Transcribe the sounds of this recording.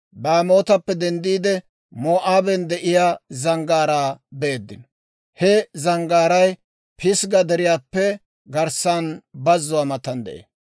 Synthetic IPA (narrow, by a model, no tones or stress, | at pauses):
baːmo̞ːt̪ɐpːɛd̪ɛnd̪iːd̪ɛ | moːʔaːbɛnd̪ɛʔɪjaːzɐŋɡaːɾaːbeːd̪ːɪn | hɛzɐŋɡaːɾɐj | pʰɪsɡɐd̪ɛɾɪjaːpːɛ | ɡɐɾsanbɐzːʊwaːmɐt̪ɐnd̪ɛ̰ʔḛː